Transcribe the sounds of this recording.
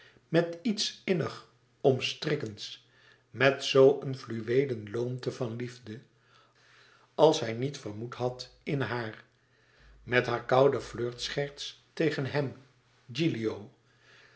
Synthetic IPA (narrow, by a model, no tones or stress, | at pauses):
mɛtitsɪnəχ | ɔmstrɪkəns | mɛtsowʔənvlyʋejdənlowmtəvɑnlivdə | ɑlˠsɦɛjnitfəɹmutɦɑt | ɪnɦaːr | mɛtɦaːɹkɑwdəvløːɹtsχɛɹtstejχənɦɛm | d͡ʒiliow